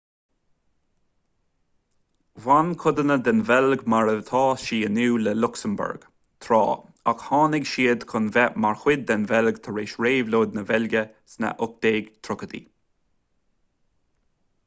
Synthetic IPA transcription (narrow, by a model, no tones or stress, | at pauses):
vankʰʊd̪ənəd̪ɛnvɛlɡmaɹət̪ʰɑːʃiːənuːləlʊksəmbʊ̰ɹɡ̥ | t̪ʰɾɔ̰ːakhɑːnɪɡʃiːəd̪kʰʊnvɛmaɹxwɪd̪̚ːɛnvɛlɡt̪ʰəɹeːʃɹeːvloːd̪̚nəvɛlɡʲə | snə̰ʔʊk̚d̪̥eːɡt̪ʰɾʊkəd̪ḭ